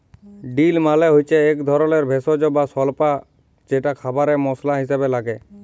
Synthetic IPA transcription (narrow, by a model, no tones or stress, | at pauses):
ɖilmalɛɦojt͡ʃeːkd̪ʱɔɾɔleɾbʱesɔd͡ʒɔbasɔlpa | d͡ʒɛʈakʰabaɾɛmɔslaɦisabelaɡɛ